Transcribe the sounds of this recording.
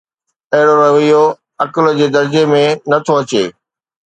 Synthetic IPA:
ɐɦɪɽoɾɐɦʋijo | ɐkəld͡ʑeːd̪ɐɾd͡ʑemẽnɐt̪ʰoɐt͡ɕeː

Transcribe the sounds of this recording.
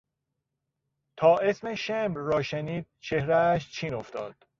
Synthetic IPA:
t̪ʰɒːʔesmeʃemrɒːʃeniːd̪̥̚t͡ʃʰe̞hɾæːʃ̬t͡ʃʰiːnoft̪ɒːd̪̥

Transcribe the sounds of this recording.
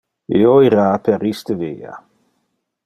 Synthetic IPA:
eoiɾaːpɛɾist̪əveːa̰

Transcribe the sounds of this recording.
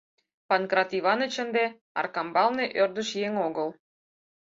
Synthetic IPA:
pɑnkrɑt̪iβɑnə̆t͡ɕə̆nd̪e | ɑ̰rkɑmbɑlneʔørd̪ə̆ʃjeŋoɣəl

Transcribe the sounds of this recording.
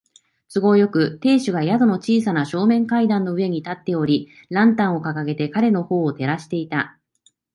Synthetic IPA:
sɨɡo̞jo̞kɯ̟t̪e̞ːɕɨɡaijad̪o̞no̞t͡ɕiːsanaɕo̞ːmẽ̞ŋkaid̪ãnːo̞ɯ̟e̞ɲ̟it̪at̪ːe̞o̞ɾʲi | ɾãnt̪ãɰ̃o̞kakaɡe̞t̪e̞kaɾe̞no̞ho̞ːt̪e̞ɾaɕi̥t̪e̞it̪a

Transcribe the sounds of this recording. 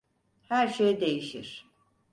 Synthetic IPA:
hæɾʃejd̪e̞jiʃiɾ̥

